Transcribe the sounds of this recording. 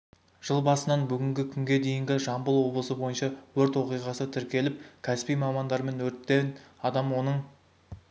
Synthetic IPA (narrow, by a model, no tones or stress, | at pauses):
ʒ̥əlˠbɑsənɑnbʏɡʲɪŋɡʲɪkʲʰʏŋɡʲe̞d̪e̞jɪŋɡʲɪʒɑmbəlˠwo̞blˠəsəbo̞jənʃɑwɵɾt̪wo̞qijʁɑsət̪ʰɪɾkʲe̞lɪp̚kʲʰæspijmɑmɑnd̪ɑɾme̞nwɵɾt̪ːenɑd̪ɑmwo̞nəɴ